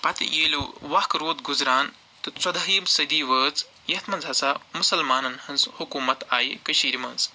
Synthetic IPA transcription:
pɐt̪ḭjeːluʋɐkɾoːd̪ɡuzɾaːn | t̪ɨt͡sɐd̪ɐɦiːmsɐd̪iːʋəːt͡s | jɐt̪mɐnd͡zʱɐsaːmusɐlmaːnɐnhɐnzhukuːmɐt̪aːjikɐʃiːɾimɐnz

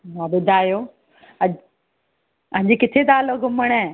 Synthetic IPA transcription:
mãɓʊd̪ʱaːjoː | ɐ | ɐ̃ɦɲd͡ʑekɪt̪ʰet̪aːloɡʱʊməɽ̃ɛ

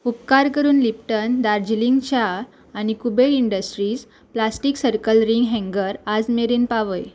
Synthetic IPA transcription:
upkaɾkəɾuːnlip̚ʈənd̪aɾd͡ʑiliŋɡt͡ɕaː | ɽ̃ikubeʈiɳɖəsʈɾiːs | plasʈiːksəɾkəlɾiŋɡɦɛ̃ŋɡəɾad͡zmeɾinpaʋəj

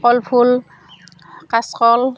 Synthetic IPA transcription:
ɔlpʰul | kaskɔl

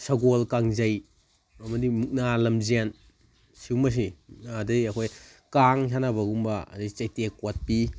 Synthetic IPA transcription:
sɐɡolkaŋzɐj | ɐmɐdimuk̚nalɐmzen | siwmɐs̬imknadɐɐkʰojkaŋs̬anabɐɡumbɐɐ̰dɐjt͡ʃɐjtekot̚pi

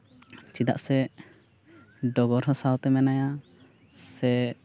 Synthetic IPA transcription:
t͡ʃid̪a̰ʔsɛ | ɖɔɡɔɾɦɔ̃sawt̪ɛmɛnaja | sɛ

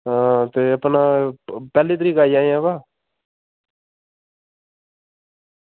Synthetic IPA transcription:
ɦãːt̪eːəpnaːpɛːliːt̪̬əɾiːkaːiaːĩãːbaː

